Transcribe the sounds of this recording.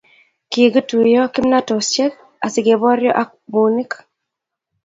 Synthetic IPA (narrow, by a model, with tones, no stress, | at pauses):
ki˨ɡi˦tu˨jɔ˦kɪ˦mna˦tɔ˨st͡ʃɛ˦k̚ | a˨sɪ˨ɡe˨bɔ˦ɾjɔ̰˦ʔa˦k̚bu˨ni˦k